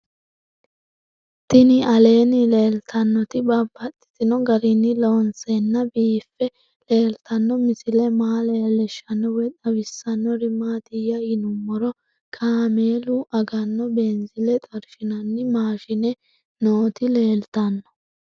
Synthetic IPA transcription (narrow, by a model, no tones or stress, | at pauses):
t̪ɪnɪɐle̞ːnɪle̞ːlt̪ʰɐnːɔt̪ɪbɐbːɐt̪ʼːɪ̥t̪ɪnɔɡɐɾɪnːɪlo̞ːnsenːɐbiːfːɛ | le̞ːlt̪ɐnːɔmɪsɪlɛmaːleːlɛʃːɐnːɔwɛt̪ɐwɪsːɐnːɔɾɪmːaːt̪ɪjɐjɪnʊmːɔɾɔ | kʰaːmeːlʊʔɐɡɐnːɔbeːnzɪlɛt̪ʼɐɾʃɪnɐnːɪmaːʃɪnɛ | noːt̪ɪle̞ːlt̪ɐnːɔ̥